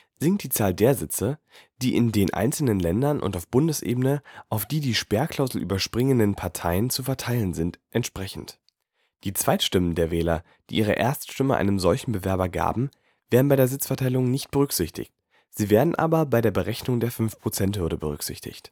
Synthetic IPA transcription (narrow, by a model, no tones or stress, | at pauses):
z̥ɪŋt̚d̥iːt͡saːldeːɐzɪt͡sə | d̥iːʔɪndeːnʔa̰ɪnt͡sl̩nənlɛndɐnʔʊ̰ntaʊfb̥ʊndəsʔḛːbənəʔaʊfd̥iːdiːʃpɛːɐkʰl̥aʊzl̩ʔy̰ːbɐʃpʁ̥ɪŋəndənpʰaɐtʰaɪənt͡sufɛɐtʰaɪlənzɪntʔɛntʃpʁ̥ɛçn̩t | d̥iːt͡sv̥aɪtʃtɪməndeːɐvɛːlɐ̰ | d̥iːʔiːʁ̞ə̰ʔḛːɐstʃtɪməʔa̰ɪnəmzɔlçn̩bəvɛɐbɐɡa̰ːbm̩ | v̥eːɐʁn̩baɪdeːɐzɪt͡sfɛɐtʰaɪlʊŋnɪçt̚b̥əʁ̞ʏkz̥ɪçtʰɪ̰çt̚ | z̥iːveːɐdn̩ʔa̰ːbɐbaɪɾeːɐbəʁɛçnʊŋdeːɐfʏnfpʁ̥ot͡sɛnthʏɐɾəbəʁ̞ʏ̰kz̥ɪ̰çtʰɪ̰çt